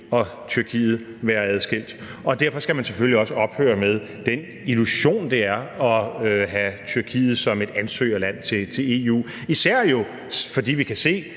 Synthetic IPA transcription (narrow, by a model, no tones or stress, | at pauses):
ɒ̽ | t͡sʰyɐkʰḭːð̞̩ˠ | ʋæːɐɛð̞ˠsɡ̥el̰d̥ɒ̽d̥æɐ̰fɒ̽sɡ̥æmænseføliɒ̽səɒ̽b̥hø̰ːɐmeðˠ | d̥en | iluɕo̝̰ːnd̥eæɐɒ̽ɦæt͡sʰyɐkʰḭːð̞̩ˠsɒ̽me̝d̥ænsø̰ːɐlæn̰t͡sʰe̝t͡sʰe̝e̝ṵː | isæɐ̰jo̝ | fɒ̽d̥ḭːʋikʰæse̝̰ː